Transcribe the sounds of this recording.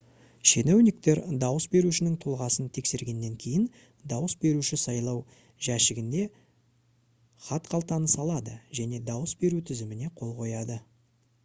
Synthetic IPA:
ʃe̞newnɪk̚t̪e̞ɾd̪ɑwəsbe̞ɾuʃɪnɪŋt̪ʰulˠʁɑsənt̪ʰe̞kse̞ɾɡʲe̞nːe̞ŋkʲʰe̞jɪn | d̪ɑwəsbe̞ɾuʃɪsɑjlˠɑw | ʒæʃɪɡʲɪnd̪e̞ | χɑt̪qʰɑlˠt̪ɑnəsɑlˠɑd̪əʒæne̞d̪ɑwəsbe̞ɾut̪ʰɪzɪmɪne̞qʰo̞lˠqʰo̞jɑd̪ə

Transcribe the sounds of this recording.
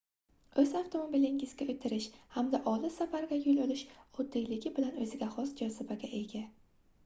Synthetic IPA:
ɵzafwt̪ʰo̞mo̞bilɪŋɪzɡʲaɵt̪ʰːɪɾɪʃhamd̪aʔɒlˠɪsafaɾɡʲajʊlolɪʃɒd̪ːɪjlɪɡʲɪbɪlanɵzɪɡʲahɒsd͡ʒɒzɪbaɡʲaʔe̞ɡʲa

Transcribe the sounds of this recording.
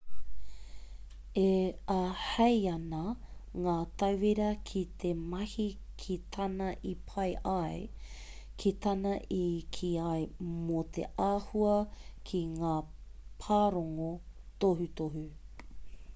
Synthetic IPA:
eɐhɐjɐnɐŋaːtɐwviɾɐkʰit̪ʰemɐhi | kʰitʰɐnɐʔipʰɐjʔɐj | kʰit̪ʰɐnɐʔikʰiɐjmot̪ʰḛʔaːhuɐkʰiŋaːpʰaːɾoŋotoɦutoɦʉ

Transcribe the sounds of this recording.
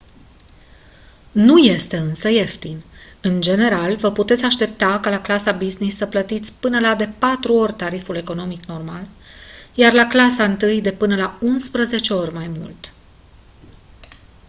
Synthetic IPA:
nuje̞st̪e̞ɨnsəe̞ft̪inɨnd͡ʒe̞ne̞ɾalvəput̪e̞t̪sʲaʃt̪e̞p̚t̪akalaklasabiznisːəplət̪it̪sʲpɨnəlad̪e̞pat̪ɾuo̞rʲt̪aɾifule̞ko̞no̞mikno̞rmal | jarlaklasaɨnt̪ɨjd̪e̞pɨnəlaunspɾəze̞t͡ʃe̞o̞rʲmajmṵlt̪

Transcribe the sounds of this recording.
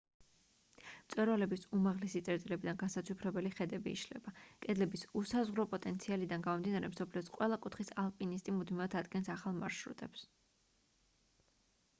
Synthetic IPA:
mt̪sʼwɛɾvalɛbisumaʁlɛsit̪sʼɛɾt̪ʼilɛbid̪anɡansat̪t͡ʃ̪ʰupʰɾɛbɛliχɛd̪ɛbḭːʃlɛ̰bakʼɛd̪lɛbisusazʁɾɔpʼɔt̪ʼɛnt̪sʰialid̪anɡamɔmd̪inaɾɛmsɔpʰliɔsqʼwɛlˠakʼut̪ʰχisalˠpʼinist̪ʼimud̪mivat̪ʰad̪ɡɛnsaχalˠmaɾʃɾṵt̪ʼɛps

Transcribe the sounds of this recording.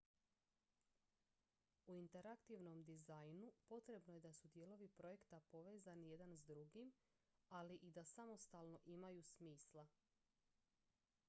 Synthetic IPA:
uint̪e̞ɾakt̪iʋno̞md̪izajnupo̞t̪ɾe̞bnoje̞d̪asud̪jelo̞ʋipɾoje̞kt̪apo̞ʋe̞ːzanije̞d̪anzd̪ɾuɡim | aliʔid̪asamo̞st̪aːlno̞ʔimajusmiːslˠa

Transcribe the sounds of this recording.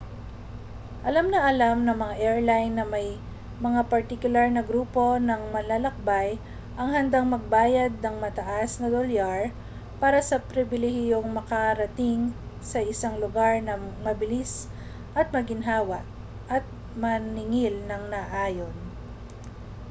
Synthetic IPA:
ʔɐlamnɐʔɐlamnɐŋmɐŋaʔɛɹlajnːɐmɐj | mɐŋapɐɹt̪ɪkʊlaɹnɐɡɾuːpo̞nɐŋmɐlalɐk̚baj | ʔɐŋɦɐnd̪aŋmɐɡ̚baːjɐd̪̚nɐŋmɐt̪ɐʔasnɐd̪oljaɹ | paːɾɐsɐpɾɪbɪlɛhɪjoŋmɐkɐɾɐt̪ɪŋsɐʔɪsaŋlʊɡaɹnɐmɐbɪlis | ʔɐt̪̚mɐɡɪnɦaːwɐʔ | ʔɐt̪̚ | mɐnɪŋɪlnɐŋnɐʔaːjon

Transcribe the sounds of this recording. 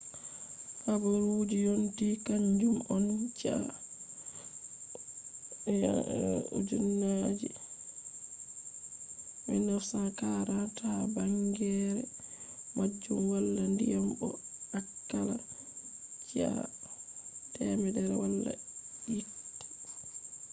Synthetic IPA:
habuɾwud͡ʒijontikaɲd͡ʒumɔnd͡ʒia | jaṵd͡ʒunːad͡ʒi | mḭnɔsakaɾatʰabaŋɡɛɾɛmad͡ʒːumwalːandijambɔ̰akːala̰ | d͡ʒia̰ | tɛmɛdɛɾɛwalːa̰itːi̥

